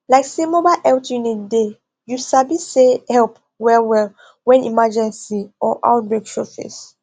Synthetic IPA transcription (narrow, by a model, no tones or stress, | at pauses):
laɪksemobaɪʔɛltjunitde | jusabisehɛlp | wɛlwɛl | wɛ̃nḭmad͡ʒɛ̃nsiɔʔa̰ʊt̚bɹekʃɔfḭs